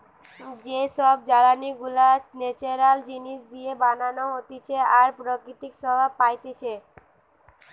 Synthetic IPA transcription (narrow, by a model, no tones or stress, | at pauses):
d͡ʑeʃɔb̚d͡ʑalaniɡulanet͡ɕaɾald͡ʑiniʃd̪iebananoɦot̪it͡ɕʰeaɾpɾokɾit̪ikʃɔbʱapajt̪et͡ɕʰe